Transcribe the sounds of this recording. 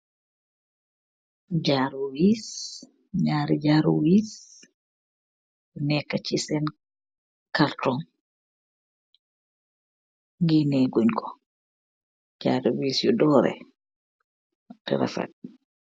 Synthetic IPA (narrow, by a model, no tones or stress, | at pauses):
d͡ʒaɾuwis | ɲaːɾid͡ʒaɾuwis | jɔnɛkːat͡ʃisɛn | kaltɔn | ɡinɛɡuɲkʰɔ̥ | d͡ʒaːɾiwisjɔdɔɾɛ̰ | tɛ̰ɾɛ̰fɛ̰t̚